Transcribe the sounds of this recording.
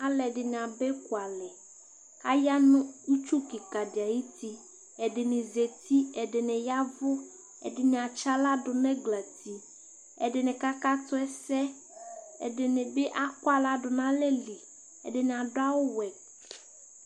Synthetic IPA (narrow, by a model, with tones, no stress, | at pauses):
a˦lɛ˨dɪ˨ñ˨a˨bɛ˦kʊ˨a˨lɛ˨ | ka˦ja˦nʊ̃˦u˦t͡ʃu˦ki˨ka˨dɪ˨a˨ji˦t̪i˦ | ɛ˨dɪ˨nɪ̃˨ze˨t̪i˦ɛ˨dɪ˨nɪ̃˨ja˦vʊ˦ | ɛ̰˨dɪ˨nɪ̃˨a˨t͡ʃa˦la˦dʊ˨nɛ̃˦ɡla˨t̪i˨ | ɛ̰˨dɪ˨nɪ̃˨ka˦ka˦t̪ʊ˦ɛ˦sɛ˦ | ɛ̰˨dɪ˨nɪ̃˨be˦ʔa˦kʊ˦a˦la˦dʊ˨nã˦lɛ˦li˨ | ɛ̰˨dɪ˨nɪ̃˨a˨dʊ˦a˦wʊ˦wɛ˨